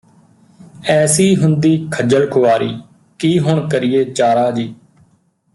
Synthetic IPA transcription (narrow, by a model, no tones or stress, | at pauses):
ɛːsiːɦʊnd̪iːkʰəd͡ʒəlkʰʊʋaːɾiː | kiːɦʊɳkəɾɪjeːt͡ʃaːɾaːd͡ʒiː